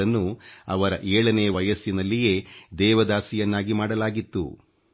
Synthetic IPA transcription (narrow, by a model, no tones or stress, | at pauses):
ɐnːuɐ̰ʋɐɾɐ̰ʔeːɭɐneːʋɐjɐsjinɐlːijeːd̪ɛːʋɐd̪aːsijɐnːaːɡimaːɽɐlaːɡit̪ːṵ